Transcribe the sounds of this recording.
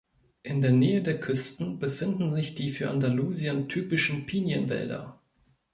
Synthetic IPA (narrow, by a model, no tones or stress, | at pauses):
ʔɪndeːɐneːədeːɐkʰʏstn̩bəfɪndn̩zɪçd̥iːfyːɐʔandaluːziəntʰyːpɪʃn̩pʰiːnjənvɛ̰ldɐ̰